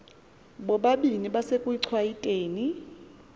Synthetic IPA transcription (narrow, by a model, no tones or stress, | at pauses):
ɓɔɓaɓiniɓasekʼuiǀʰwajitʼeːni